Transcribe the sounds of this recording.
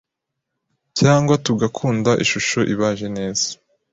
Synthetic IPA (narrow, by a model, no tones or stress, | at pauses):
caːŋɡwatuɡakʰuːndaʔiʃuʃoʔiβaʒe̞ne̞ːz̥ḁ